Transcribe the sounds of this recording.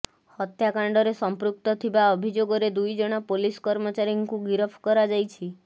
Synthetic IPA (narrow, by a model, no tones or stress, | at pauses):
hɔt̪jakaɳɖɔɾesɔmpɾuk̚t̪ɔt̪ʰibaɔbʱid͡ʒoɡɔɾed̪ujd͡ʒɔɽ̃ɔpoliskɔɾmɔt͡ʃaɾiŋkuɡiɾɔpʰkɔɾad͡ʒajt͡ʃʰi